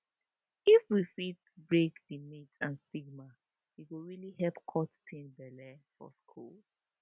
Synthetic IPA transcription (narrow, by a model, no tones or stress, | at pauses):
ifwifitbɹekdimitãnstiɡma | jikuɹilihɛlpkʰɔttʰĩnbɛlɛfɔ̰skʰṵl